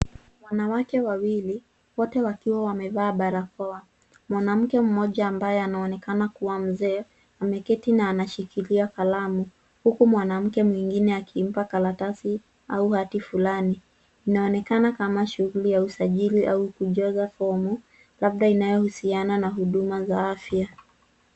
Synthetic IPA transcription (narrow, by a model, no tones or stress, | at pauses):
mwanawakɛwawili | wɔtɛwakiwawamɛvaːɓaɾakɔa | mwanam̩kɛm̩mɔʄaːmbajɛanaɔnɛkanakuwam̩zɛ | amɛkɛtinaːnaʃikiliakalamu | hukumwanam̩kɛmwiŋɡinɛakʰim̩pakalatasi | auhatifulani | inaɔnɛkanakamaʃuɣulijausaʄiliʔaukuʄɔzafɔmu | lab̚ɗainajɔhusiananaɦuɗumazaafja